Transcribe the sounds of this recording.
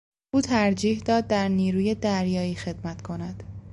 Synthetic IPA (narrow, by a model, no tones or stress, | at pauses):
ʔuːt̪ʰæɾd͡ʒiːhd̪ɒːd̪̚ːæɾniːɾuːjed̪æɾjɒːiːxe̞d̪mæt̪kʰo̞næd̪̥